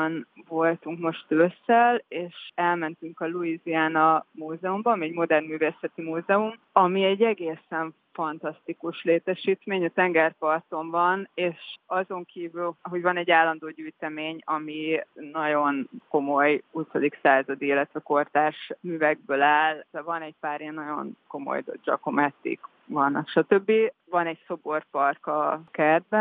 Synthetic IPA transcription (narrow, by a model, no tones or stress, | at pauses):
nvo̞lt̪uŋkmo̞ʃt̪øsːɛleːʃɛlmɛnt̪yŋkɒluiziaːnɒmuːzɛumbɒmiɛɟmo̞d̪ɛrnmyːveːsɛt̪imuːzɛum | ɒmiɛɟːɛɡeːsɛɱ | fɒnt̪ɒst̪ikuʃleːt̪ɛʃiːt̪meːɲɒt̪ɛŋɡɛrpɒrt̪o̞mvɒneːʃɒzo̞ŋkiːvylɦo̞ɟvɒnɛɟːaːlːɒnd̪oːɟyːjt̪ɛmeːɲɒminɒɟo̞nko̞mo̞jut̪od̪iksaːzɒd̪iilːɛt̪ʋɛko̞rt̪aːʃmyːvɛɡ̚bøːlaːlt̪ɛvɒnɛɟ̚paːɾiɛnːɒɟo̞̰nko̞mo̞̰jdd͡ʒɒ̰ko̞mɛt̪ːḭk | ʋɒnʃɒt̪øbːivɒnɛɟso̞bo̞rpɒrkɒkɛrd̪̚bɛn